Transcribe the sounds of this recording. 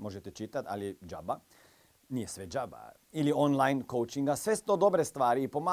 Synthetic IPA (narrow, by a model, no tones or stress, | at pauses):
mo̞ʒet̪et͡ʃit̪at̪a̰lid͡ʒaba | nijesʋed͡ʒaba̰ | ilionlˠajnkowt͡ʃiŋɡasʋest̪od̪o̞bɾest̪ʋaːɾiːpo̞ma